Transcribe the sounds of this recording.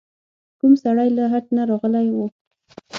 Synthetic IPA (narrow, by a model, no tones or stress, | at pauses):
kumsaɽajlaɦad̪̚naɾɑɣəlajwu